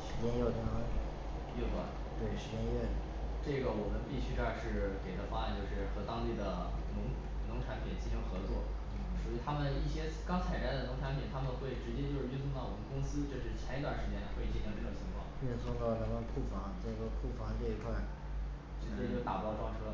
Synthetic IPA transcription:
ʂɻ̩˧˥t͡ɕjɛ˥njo˥˩t̪a˧˥a˥˧˨ | jɛ˥˩t̪wa̰˥˩ | t̪we˥˩ɪʂɻ̩˧˥t͡ɕjɛ˥nɥɛ˥˩˨ | ʈ͡ʂɤ˥˩ɡə˩wɔ˨˩mə˦npi˥˩ɕy˥ʈ͡ʂa˥˧ʂɻ̩˥˩ke˨˩ɪt̪ʰa˥fa˥a˧˩nt͡ɕjo˥˧ʊʂɻ̩˥˩xɤ˧˥t̪ɑ˥ŋt̪i˥˩d̪ə˩ | nʊ˧˥ŋ | nʊ˧˥ŋʈ͡ʂʰa˧˥npʰi˨˩nt͡ɕi˥˩ʂʰɤ˧˥ŋxɤ˧˥t͡swɔ̰˥˩ | swu˧˥i˨˩t̪ʰa˥mə˨ni˥˩ɕjɛ˥ | kɑ˥ŋt͡sʰa˨˩ɪʈ͡ʂa˥˩ɪd̪ə˩nʊ˧˥ŋʈ͡ʂʰa˧˥npʰi˨˩nt̪ʰa˥mə˨xwe˥˩ɪʈ͡ʂɻ̩˧˥t͡ɕjɛ˥t͡ɕjo˥˧ʊʂɻ̩˥˩˥y˥˧nsʰʊ˥˧ŋt̪ɑ˥˩ʊwɔ˨˩mə˦nkʊ˥ŋsɹ̩˥ʈ͡ʂɤ˥˩ʈ͡ʂɻ̩˧˩˥t͡ɕʰjɛ˧˥i˥t̪wa˨˩nʂɻ̩˧˥t͡ɕjɛ˥nla˧˥xwi˥˩˥ʈ͡ʂɤ˥˩ʊ˨˩ŋt͡ɕʰi˧˥ŋkʰwɑ̰˥˩ŋy˥˧nsʰʊ˥˧ŋt̪ɑ˥˩ʊla˧˥mə˧nkʰu˥˩fɑ˧˥ŋʈ͡ʂɡə˨˩kʰu˥˩fɑ˧˥ŋʈ͡ʂɤ˥˩i˧˥kʰwa˥˩ɪ | ʈ͡ʂɻ̩˧˥t͡ɕɛ˥t͡ɕjo˥˩ʊt̪a̰˨˩p̪ɑ˥˧˩ʊʈ͡ʂwɑ˥˩ʂʰɤ˥

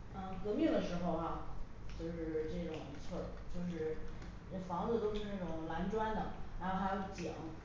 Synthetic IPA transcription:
ə˧˩kɤ˧˥mjɛ˥˩d̪ə˩ʂɻ̩˧˥xo˧ʊa˧˩ | t͡ɕjo˥˧ʊʂɻ̩˥˩ʈ͡ʂɤ˥˩ʈ͡ʂʊ˨˩ŋi˧˥t͡sʰwə˥˩t͡ɕjo˥˧ʊʂ̬ɻ̩˥˩˥ | fɑ˧˥ŋd͡zɹ̩˧t̪o˥ʊʂɻ̩˥˧na˥˩ʈ͡ʂʊ˨˩ŋla˧˥nʈ͡ʂwa˥nd̪ə˨˩ɻa˧˥nxo˥˩ʊtʰjo˧˥˩ʊt͡ɕjɑ̰˨˩˦ŋ

